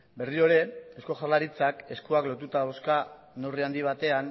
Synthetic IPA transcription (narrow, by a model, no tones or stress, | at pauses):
be̞rio̞ɾe̞esko̞ʝalaɾit͡sake̞skuaklo̞t̪ut̪aðawska | no̞riand̪iβ̞at̪e̞an